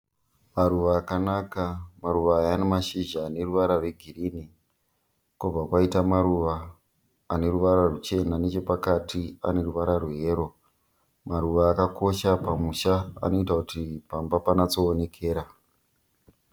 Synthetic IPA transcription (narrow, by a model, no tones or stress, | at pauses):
maɾuʋaːkanakamaɾuʋaːjanemaʃiʒaːne̞ruʋaɾarwe̞ɡʱiriːni | kub͡vakwaitamaɾuʋaː | ne̞ɾuʋaɾarut͡ʃe̞nane̞t͡ʃo̞pakatʰia̰ne̞ɾuʋaɾarwuɦe̞ːɾo̞ | maɾuʋaːkako̞ʃapamuʃaa̰no̞itakutipambapanat͡so̞ːne̞kʰe̞ːɾa